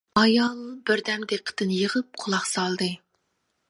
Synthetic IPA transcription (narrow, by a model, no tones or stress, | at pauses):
ɑjɑlˠbɪɾd̪ɛmd̪eqʰːə̥t̪ɨnjəʁəp̚qʰʊlˠɑqsɑlˠd̪ɨ